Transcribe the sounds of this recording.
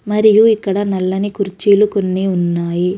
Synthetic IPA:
mɐɾijuikːɐɽɐnɐlːɐnikuɾt͡ʃiːlukonːiunːaːji

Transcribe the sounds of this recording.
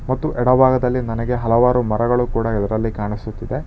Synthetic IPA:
mɐt̪ːuʔɛɽɐbʱaːɡɐd̪ɐlːinɐnɐɡe̞ɦɐlɐʋaːɾumɐɾɐɡɐɭukuːɽɐid̪ɐɾɐlːikaːɳisut̪ːid̪e̞

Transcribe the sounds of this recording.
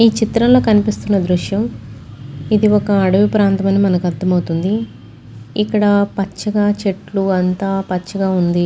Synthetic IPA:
iːt͡ʃit̪ɾɐnlo̞ːkɐnipist̪unːɐd̪ɾuʂjɐm | id̪iɔkɐːɽɐʋipɾaːnt̪ɐmɐnimɐnɐkuɐd̪ːɐmɐwut̪und̪i | ikːɐɽɐpɐt͡ʃːɐɡaːt͡ʃeʈluɐnt̪aːpɐt͡ʃːɐɡaːund̪i

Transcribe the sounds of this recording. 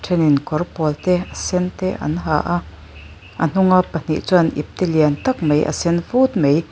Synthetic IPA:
ʈʰɛninkɔrpɔlt̪ɛasɛnt̪ɛʔɐ̰nɦa̰ʔ | ʔɐn̥uŋapɐn̥iʔt͡suanʔḭp̚t̪ɛliant̪ɐk̚mejʔa̰sɛnvuːt̪̚mej

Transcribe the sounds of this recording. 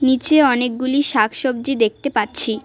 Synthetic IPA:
nit͡ɕeɔnek̚ɡuliʃakʰʃob̚d͡ʑid̪ek̚t̪epatːɕʰi

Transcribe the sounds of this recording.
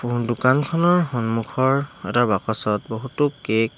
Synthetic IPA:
dukankʰɔnɔɹxɔnmukʰɔɹɛtabakɔsɔt̚bɔɦutʊkek

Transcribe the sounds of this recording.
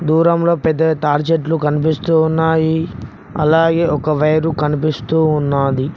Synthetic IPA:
d̪uːɾɐmlo̞ːpɛd̪ːɐʈaːɾd͡ʒeʈlukɐnipist̪uːnːaːji | ɐ̰laːɡe̞ːɔkɐʋɐjɐɾukɐnipist̪uːunːaːd̪i

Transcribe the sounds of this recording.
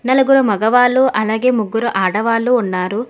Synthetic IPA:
nɐlɐɡuɾumɐɡɐʋaːlːuʔʔɐlaːɡe̞ːmuɡːuɾuʔaːɽɐʋaːlːuːnːaːɾu

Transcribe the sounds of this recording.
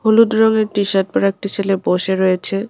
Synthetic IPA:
holud̪ɾɔŋeɾʈiʃaʈ̪̚pɔɾek̚ʈit͡ɕʰeleboʃeɾojet͡ɕʰe

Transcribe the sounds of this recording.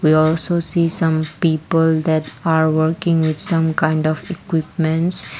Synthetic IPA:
wiɔlsosiːsʌ̃mpiːpəld̪ɛʈaɾwəɾkɪ̃ŋwɪd̪sʌ̃mkãɪ̃ɳɖɔfikwɪpmɛ̃ɳʈs

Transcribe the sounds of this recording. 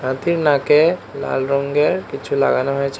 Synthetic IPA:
ɦãt̪iɾnãkela̰lɾɔŋɡeɾkit͡ɕʰula̰ɡanoɦoet͡ɕʰ

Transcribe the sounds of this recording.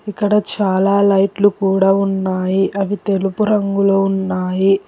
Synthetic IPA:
ikːɐɽɐt͡ʃaːlaːlɐjʈlukuːɽaːunːaːjiʔɐʋit̪e̞lupuɾɐŋɡuloːunːaːji

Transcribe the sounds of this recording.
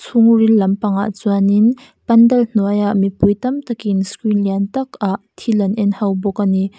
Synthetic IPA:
t͡sʰʊŋrilːɐmpɐŋa̰ʔt͡suanin | pɐndɐln̥uəjaʔmipujt̪ɐmt̪ɐkinskɾinliant̪ɐkaʔt̪ʰilɐnʔɛnhɐwbɔkani

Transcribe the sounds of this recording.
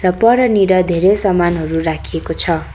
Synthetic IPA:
rʌpʌɾʌniɽʌd̪ʱeɾesʌmanɦʌɾurakʰiekot͡sʰʌ

